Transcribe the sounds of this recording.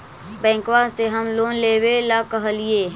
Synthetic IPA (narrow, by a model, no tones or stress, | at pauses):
bɛ̃ːŋkwaseɦɐmloːnleːwelakəɦəlieː